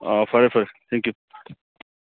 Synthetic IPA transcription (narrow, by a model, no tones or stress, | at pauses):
afɐɾefɐɾet̪ʰɛ̃ŋkju